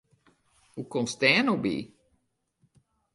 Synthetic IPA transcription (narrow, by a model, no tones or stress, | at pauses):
hukomstɛːnobḭ